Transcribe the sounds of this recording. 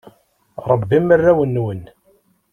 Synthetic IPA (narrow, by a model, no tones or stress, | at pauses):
ɾˤəbːimːərːæwənːwən